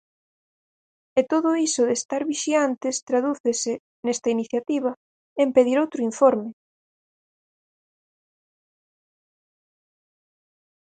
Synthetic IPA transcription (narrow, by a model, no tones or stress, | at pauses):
et̪oðʊisʊðest̪aɾβiʃiant̪ɪst̪ɾaðuθesɪ | nest̪ɐiniθjat̪iβ̞ɐ | empeðiɾowt̪ɾʊiɱfoɾmɪ